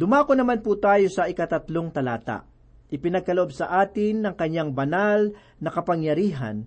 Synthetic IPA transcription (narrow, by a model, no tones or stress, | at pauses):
d̪ʊmaːkonɐmanput̪aːjo̞sɐʔɪkɐt̪ɐt̪loŋt̪ɐla̰ːt̪a̰ʔ | ʔɪpɪnɐɡ̚kɐloʔob̚sɐʔaːt̪ɪnːɐŋkɐɲːaŋbɐnal | nɐkɐpɐŋjɐɾiːɦɐ̰n